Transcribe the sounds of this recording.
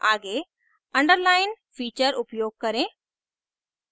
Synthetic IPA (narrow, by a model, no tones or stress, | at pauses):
aːɡe | ə̃ɳɖəɾlaːɪn | fiːt͡ʃəɾʊpjoːɡ̚kɐɾẽ